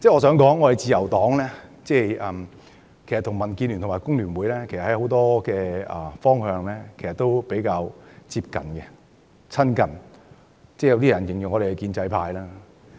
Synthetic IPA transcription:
t͡sɛː˥˩ŋɔː˨˧s̬œː˨˥ŋkɔː˨˥ŋːɔ˨˧hɐ˨jt͡siː˨˧jɐ˨˩wt̪ɔː˨˥ŋlɛː˥t͡sɛː˥˩ʔɐː˨˩m | kʰe˨˩jst̪ʰŋmɐ˨˩nkiː˧nly˨nʰʊ˨˩maː˨˩jkʊ˥ŋlyː˨˩nwuː˨˧jlɛː˥kʰe˨˩sɐ˨hɐ˨˥jho˨˥wt̪ɔː˥kɛː˧ɐ˨˩fɔː˥ŋhœː˧ŋlɛː˥kʰe˨˩sɐ˨t̪o˥wpe˨˥jkaː˧wt͡siː˧p̚kɐ̰˨nkɛ˧ | t͡sʰɐ˥nkɐ˨n | t͡sɛː˥˩jɐ˧wt̪iː˥˩jɐ˨˩njɪ˨˩ŋjʊ˨ŋɔː˨˧ɾe˨˩ɛ˧kiː˧nt͡sɐ˧jpʰaː˧jlaː˥

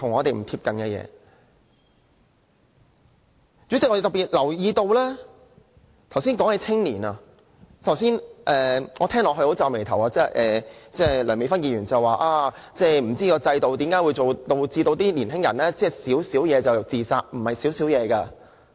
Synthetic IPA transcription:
t̪ʰʊ˨˩ŋːɔː˨˧t̪e˨jm̩˨˩t̪ʰiː˧p̚kɐ˨nkɐ˧jɛ̰ː˨˧ | t͡ʃt͡syː˨˥t͡sɪ˨k̚ɔ˧˥e˨˩t̪piː˨˩t̚lɐ˨˩wjiː˨˧t̪o˧wlɛː˥ | t̪ʰɐ˨˩ws̬iː˥nkɔː˨˥ŋhe˨˧˥t͡sʰɪ˥ŋliː˨˩nɐ˨ | t̪ʰɐ˨˩wsiː˥nʔɛː˨ŋɔː˨˧t̪ʰɛː˥ŋlɔː˨hɵ˧ho˨˥wt͡saː˨˧wme˨˩jt̪ʰɐ˨˩waː˧t͡sɛː˥ʔɛː˨t͡sɛː˥˩lœː˨˩me˨˧fɐ˥njiː˧jyː˨˩nt͡sɐ˨waː˨˧ʔaː˧t͡sɛː˥˩m̩˨˩t͡siː˥kɔː˧t͡sɐ˧jt̪o˨wt̪iː˨˥mkaː˨˥wu˨˧jt͡so˨wt̪o˧wt͡siː˧o˧wt̪iː˥liː˨˩nɦɪ˥ŋjɐ̰˨˩nlɛː˥t͡sɛː˥˩siː˨˥wsiː˨˥wjɛː˨˧t͡sɐ˨˩wt͡siː˨saː˧k̚m̩˨˩mɐ˨jsiː˨˥wsiː˨˥wjɛː˨˧kɐ˧

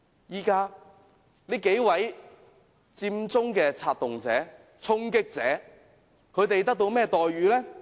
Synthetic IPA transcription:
jiː˨˥kaː˧˥ | liː˥ke˨˧˥jwɐ˨˥j | t͡siː˧mt͡sʊ˥ŋkɛː˧t͡sʰaː˧t̚t̪ʊ˨ŋt͡sɛ̰ː˨˥ | t͡sʰʊ˥ŋkɪ˥k̚t͡sɛː˨˥ | kʰɵ˨˧ɥt̪e˨jt̪̬ɐ˥k̚t̪o˧wmɛː˥˩t̪ɔː˨jɥyː˨˧lɛ˥

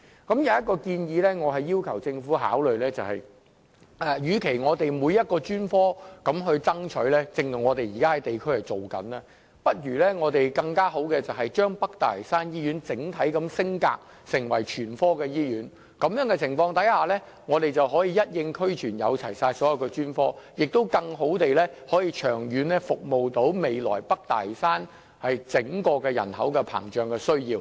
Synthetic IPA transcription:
kɐ˨˥mjɐ˨˧wjɐ˥t̚kɔː˧kiː˧njiː˨˧lɛː˥ŋɔː˨˧ɦɐ˨jːiː˥wkʰɐ˨˩wt͡sɪ˧ŋfuː˨˥ɦa̰ː˨˥wlɵ˨ɥlɛː˥t͡sɐ˨whɐ̰˨j | ʔɛː˨˩jyː˨˧kʰe˨˩jŋɔː˨˧t̪e˨jmuː˨˧jɐ˥t̚kɔː˧t͡ʃyː˥nfɔː˥kɐ˨˦˥mɦɵ˧ɥt͡sɐ˥ŋt͡ʃʰɵ˨˥ɥlɛː˥t͡sɪ˨ŋɐ˨˩ŋɔː˨˧t̪e˨jiː˨kaː˥hɐ˨˥jt̪e˨jkʰɵ˥hɐ˨jt͡so˨wkɐ̰˨˥naː˧ | pɐ˥t̚ɥyː˨˩lɛː˥ŋɔː˨˧t̪e˨jkɐ˧ŋkaː˥ɦo˨˥wkɛː˧t͡sɐ˨wɦɐ˨jt͡ʃœː˥ŋpɐ˥k̚t̪aː˨˩lɐ˨˩saː˥njiː˥ɥyː˨˥nt͡sɪ˨˥ŋt̪ʰɐ˨˥jkɐ˨˥msɪ˥ŋka̰ː˧k̚ | sɪ˨˩ŋwɐ˨˩jt͡ʃʰyː˨˩nfɔː˥kɛː˧jiː˥jyː˨˥n | kɐ˨˧mjœː˨˥ŋkɛː˧t͡sʰɪ˨˩ŋfɔː˧ŋt̪ɐ˨˥jhaː˨˧lɛː˥ | ŋɔː˨˧t̪e˨jt͡sɐ˨wɦɔː˨˥jiː˨jɐ˥t̚jɪ˧ŋkʰɵ˥ɥt͡ʃʰyː˨˩njɐ̰˨˧wt͡sʰɐ˨˩jsaː˧jsɔː˨˥jɐ˨wkɛː˧t͡ʃyː˥nfɔː˥jɪ˨k̚t̪o˥wkɐ˧ŋɦo˨˥wt̪e˨jlɛː˥hɔː˨˥jiː˧t͡ʃʰœː˨˩ŋjyː˨˥nɛ˥fʊ˨k̚mo˨wt̪o˨˥wme˨jlɔ̰ː˨˩jpɐ˥k̚t̪a̰ː˨˩jsaː˥n | hɐ˨jt͡sɪ˨˥ŋkɔː˧kɛː˧jɐ̰˨˩nhɐ˨˥wkɛ˧pʰa̰ː˨˩ŋt͡ʃœː˨ŋkɛː˧sɵ˥ɥjiː˧w

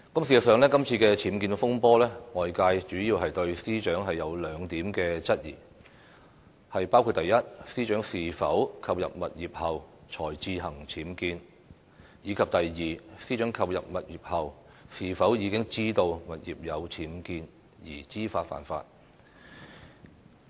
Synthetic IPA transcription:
kɐ˥msiː˨˩ɐ˨sœː˨ŋlɛː˥kɐ˥mt͡sʰiː˧kɛː˧t͡sʰiː˨˥mkiː˧n˧fʊ˥ŋpɔː˥lɛː˥ŋɔː˨jkaː˧jt͡ʃyː˨˥jiː˧wɦɐ˨jt̪ɵ˧ɥsiː˥t͡ʃœː˨˥ŋɦɐ˨jːɐ˨˧wlœː˨˧ŋt̪iː˨˥mkɛː˧t͡sɐ˥t̚jḭː˨˩ | hɐ˨jpaː˥wkʰu˧t̚t̪ɐ˨jjɐ˥t̚siː˥t͡ʃœː˨˥ŋsiː˨˩fɐ˨˥wkʰɐ˧wjɐ̰˨p̚mɐ˨t̚jiː˨p̚hɐ˨wt͡ʃʰɔː˨˩jt͡siː˧ɦɐ˨˩ŋt͡sʰiː˨˥mkiː˧n | jiː˨˧kʰɐ˨p̚t̪ɐ˨jjiː˨siː˥t͡ʃœː˨˥ŋkʰɐ˧wjɐ̰˨p̚mɐ˨t̚jiː˨˩p̚hɐ˨˩w | siː˨˩fɐ˨˥wjiː˨˧kɪ˥ŋt͡siː˥t̪o˧wmɐ˨t̚jḭː˨˩p̚jɐ˨˧wt͡sʰiː˨˥mkiː˧n | jiː˨˩t͡siː˥faː˧t̚fa̰ː˨˩nfa̰ː˧t̚

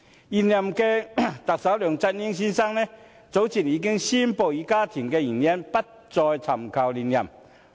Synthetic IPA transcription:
i˨˩nja˨mke˧t̪a˨k̚sa˨˦wly˨˩ŋt͡sa˧t̚ɲi˦˥ŋɕ̬i˧˥nsa˦ŋne˧˩ | t͡so˨˥wt͡ɕʰi˨˩niː˧ki˦˥ŋɕi˦˥npo˨˩wi˧ka˦t̪ʰi˨˩ŋke˧i˨˩njɛ˦˥npa˦t̚t͡sɔ˧jt͡sʰa˨˩mkʰa˨˩wli˨˧˩nːja̰˨˩m

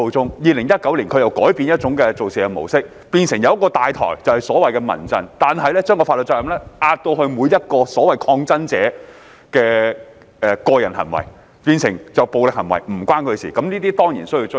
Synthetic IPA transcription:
o˨˧wt͡sʊ˥ŋjiː˨˧lɪ˨˩ŋjɐ˥t̚kɐ˨˥wliː˨˩nkʰɵ˧jɐ˨wkɔː˨˥jpiː˧njɐ˥t̚t͡sʊ˨˥ŋkɛː˧t͡so˨wsiː˨ɛ˧mo˨˩wsɪ˥k̚ | piː˧nsɪ˨˩ŋjɐ˨˧wɐ˥kːɔː˧t̪aː˨jt̪ʰɔ̰ː˨˩jt͡sɐ˨whɐ˨jsɔː˨˥wɐ˨jkɛː˧mɐ̰˨˩nt͡sɐ˨˧nt̪aː˨nɦɐ˨˧jlɛː˥t͡ʃœː˥ŋkɔː˧fa˧tlə˨t̚t͡ʃɔː˧˥jɐ˨mlɛː˥ʔaː˧t̚t̪o˧hɵ˧ɥmuː˨˧jɐ˥t̚kɔː˧sɔː˨˥wɐ˨˩jkʰɔː˧ŋt͡sɐ˥nt͡sɛː˨˥ | kɛː˧ | ʔɛ˨˧kɔː˧jɐ˨˩nɦɐ̰˨˩nwɐ̰˨˩j | piː˧nsɪ˨˩ŋt͡sɐ˨wpo˨wlɪ˨k̚hɐ˨˩nwɐ̰˨˩jm̩˨˩kwaː˥nkʰɵ˨˧siː˨˩kɐ˨˥mniː˥t̪iː˥t̪ɔː˥ŋjiː˨˩nsɵ˥ji˧t͡s

